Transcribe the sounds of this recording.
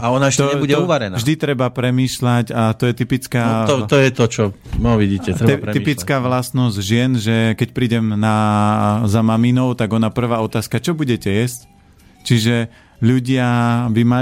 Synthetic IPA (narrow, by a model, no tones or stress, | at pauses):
aɔnaɛʃt̪ɛɔɲɛbuɟɛuʋaɾɛnavʒd̪it̪ɾɛbapɾɛmiːʃlaɟat̪ɔjɛt̪ipit͡skaːɔt̪ɔjɛt̪ɔt͡ʃɔʋiɟiːcɛɾɛɛɾɛipit͡skaːʋlast̪nɔzɟʒɪɛnʒɛkɛc̚pɾiːɟɛmna | zamaminɔʊt̪aɡɔnapr̩ʋaːɔt̪aːskat͡ʃɔbuɟɛcɛjɛsc | t͡ʃiʒɛ | ʎuɟɪabima